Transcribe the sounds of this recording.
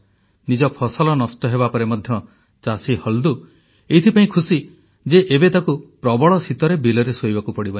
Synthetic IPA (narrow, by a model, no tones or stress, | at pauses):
nid͡ʒɔpʰɔsɔlɔnɔsʈɔɦebapɔɾemɔd̪ʱjɔ | t͡ʃasihɔld̪u | et̪ʰipaĩkʰusi | d͡ʒeʔebet̪akupɾɔbɔɭɔsit̪ɔɾebilɔɾesojbakupɔɽibɔn